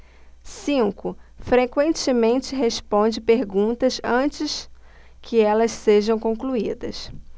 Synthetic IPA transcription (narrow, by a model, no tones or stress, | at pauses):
sĩkʊfɾekwẽnt͡ʃɪmẽnt͡ʃɪɦeʃpõnd͡ʒɪpeɾɡũt̪ɐsɐ̃t͡ʃɪs | kʰɪɛlɐsseʒɐ̃w̃kõkluid̪ɐ̰s